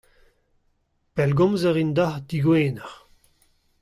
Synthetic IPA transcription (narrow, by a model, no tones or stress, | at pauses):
pɛlɡɔ̃mzəʁind̪ahd̪iɡweːnɛʁ